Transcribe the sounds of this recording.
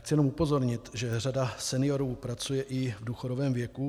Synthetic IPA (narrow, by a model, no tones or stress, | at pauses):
xt͡sɪjɛnomupo̞zo̞ɾɲɪt̪ʒɛr̝adasɛnɪjo̞ɾuːpɾat͡sujɛʔɪvduxoɾovɛːmvjɛku